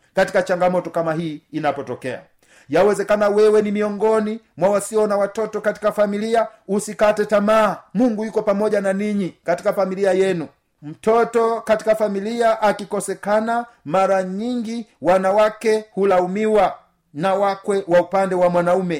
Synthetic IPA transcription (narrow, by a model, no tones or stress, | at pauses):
kati̥kat͡ʃaŋɡamɔtɔkamaɦiːnapɔtɔkɛa̰ | jawɛzɛkanawɛwɛnimiɔŋɡɔni | mwawasiɔnawatɔtɔkati̥kafamiliausikatɛtamaːmuŋɡujukɔpamɔʄananiɲikati̥kafamiliajɛnu | m̩tɔtɔkati̥kafamiliaʔakikɔsɛkana | maɾaɲiŋɡiwanawakɛhulaumiwa | nawakwɛwaupandɛwamwanaumɛ